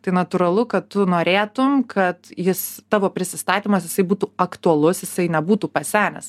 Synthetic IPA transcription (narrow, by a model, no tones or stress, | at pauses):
t̪ɐɪnɐt̪uːɾɐlˠʊkɐttʊnoːɾʲeːt̪ʊmkʰɐt̪jɪst̪ɑːʋoːpʲɾʲɪsʲɪst̪ɑːt̪ʲiːmɐsjɪsɐɪbuːt̪uːɐkt̪uɐlˠʊsjɪsɐɪnʲɛbuːt̪uːpɐsʲæːnʲɛ̰s